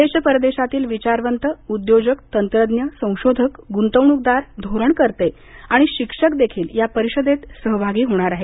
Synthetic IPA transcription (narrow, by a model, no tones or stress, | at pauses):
d̪eɕəpəɾəd̪eɕat̪iːlʋit͡ɕaɾʋənt̪əud̪jod͡ʑəkt̪ənt̪ɾəd̪njəsə̃w̃ɕod̪ʱəkɡunt̪əʋɳ̃uk̚d̪aɾd̪ʱoɾəɳkəɾt̪e | aɽ̃iɕikʂəkd̪ekʰiːljapəɾiɕəd̪et̪səɦbʱaɡiːɦoɽ̃aɾaɦe